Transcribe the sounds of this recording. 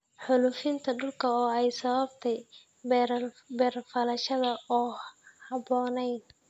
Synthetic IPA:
ħʊlʊfɪnt̪ʰɐɖʊlkʰɐɔːɛjsɐβɐbt̪ʰɛj | bɛːrfɐlɐʃɐðɐʔɔːhɑbɔːnɛjn

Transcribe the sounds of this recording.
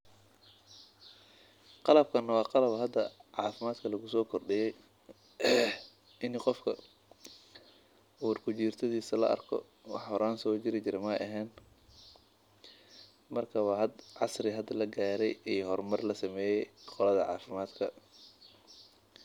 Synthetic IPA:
qɑlɐb̚kʰɐnːɐwɑːqɑlɐβɐɦɐd̪ːɐʕɑːfɪmaːd̪kʰɐlɐɣʊsɔːkʰɔrɖɪjɛj | ʔɪnqɔfkʰɐ | ʊwʊrkʰʊt͡ʃiːrt̪ʰɐðiːsɐlɐ̰ʔɐ̰rkʰɔ̰ | wɑ̰ħhɔɾaːnsɔːt͡ʃɪɾɪt͡ʃɪɾɛmɐʔɐɦɛːn | mɐrkʰɐwɑːɦɐd̪ʕɑsrɪɦɐd̪ːɐlɐɡaːɾɛjijɦɔrmɐrlɐsɐmɛːjɛjqɔlɐðɐʕɑ̰ːfɪmaːd̪kʰɐ

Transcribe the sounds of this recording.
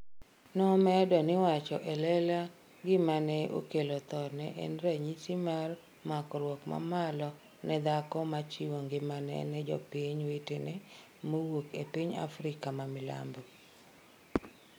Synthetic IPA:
nɔmɛdɔnɪwat͡ʃɔʔelɛla | ɡɪmanɛʔo̰kelot̪ɔnɛʔḛnɾeɲisimar | makɔɾwokma̰malɔ | nɛd̪akɔmat͡ʃiwoŋɡɪmanɛ̰nɛd͡ʒɔ̰pɪɲwetenɛ | mowokepiɲa̰fɾɪkamamɪla̰mbo

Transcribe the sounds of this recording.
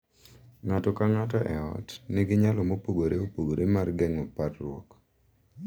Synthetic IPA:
ŋatɔkaŋatɔʔɛ̰ɔ̰tnɪɡɪɲalɔmopoɡoɾeopoɡoɾʔemarɡɛŋɔpatrwɔ̰k

